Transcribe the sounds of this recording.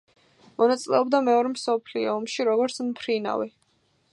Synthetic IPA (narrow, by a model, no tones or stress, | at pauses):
mɔnat̪sʼlɛɔbd̪amɛɔɾɛmsɔpʰliɔːmʃiɾɔɡɔɾt̪sʰmpʰɾina̰vi